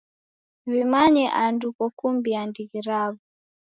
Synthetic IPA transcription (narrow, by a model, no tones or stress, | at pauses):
βimaɲɛʔandukɔkumbiandiɣiɾaβu